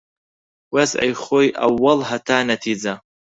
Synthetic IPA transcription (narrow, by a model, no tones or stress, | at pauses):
wasʕa̰jχojʔa̰wːalhatʰaːnatʰid͡za